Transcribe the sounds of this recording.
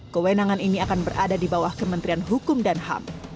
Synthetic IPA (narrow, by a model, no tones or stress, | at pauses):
kəwenaŋaniniakanbərʔadadibawahkəmənt̪ɾianɦukʊmdanɦa̰m